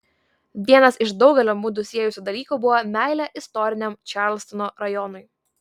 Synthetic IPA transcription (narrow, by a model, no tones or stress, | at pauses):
ʋʲiɛnɐsɪʃd̪ɒʊɡʲɛlʲoːmʊd̪ʊsʲiɛjʊsʲuːd̪ɐlʲiːkuːbʊʋɔmʲæˑɪlʲɛʔɪst̪ɔɾʲɪnʲɛmt͡ʃʲɑɾlʲst̪ɔnoɾɐjɔnʊɪ